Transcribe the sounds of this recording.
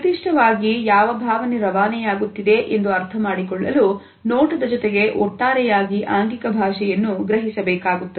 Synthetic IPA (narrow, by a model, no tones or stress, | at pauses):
t̪iʂʈʰɐʋaːɡijaːʋɐbʱaːʋɐneɾɐʋaːnɛjaːɡut̪ːid̪e̞ʔend̪uɐɾt̪ʰɐmaːɽikɔɭːɐlu | noːʈɐd̪ɐd͡ʒɔt̪eɡe̞ʔɔ̰ʈːaːɾɛjaːɡiʔaːŋɡikɐbʱaːʃɛjɐnːuɡɾɐɦisɐbɛːkaːɡut̪ːɐ